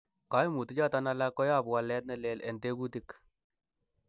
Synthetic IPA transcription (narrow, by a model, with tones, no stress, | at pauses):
ka˦jmu˨tu˦t͡ʃa˦˨ta˦na˧la˦kːɔ˦ja˦˨pwa˨lɛ˦t̚nɛ˦˨lɛ˨lɛ˨nte˦ku˦ti˦k